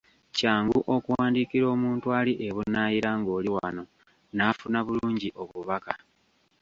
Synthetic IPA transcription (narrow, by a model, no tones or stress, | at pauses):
caːŋɡuʔo̞kuwaːndikiɾo̞ːmuːntualiʔeβunaːjiɾaŋɡo̞ːliwa̰no̞ | nafunaβuluːɲɟiʔo̞βuβaka